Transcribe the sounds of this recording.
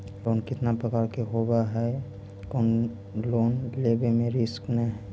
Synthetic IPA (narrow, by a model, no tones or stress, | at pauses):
loːnkɪt̪napɾəkaːɾkeɦoːbaɦɛ | koːn | loːnleːbemẽɾɪsknəɦɛ